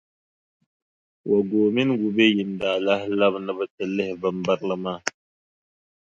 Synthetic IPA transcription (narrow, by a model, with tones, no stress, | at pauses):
wʔa˨ɡo˨mi˦nɡu˨be˦ji˨nda˨la˦hla˦bnə˦bə˦tə˨lːe˦hbə˨mba˦ɾlə˦ma˦˨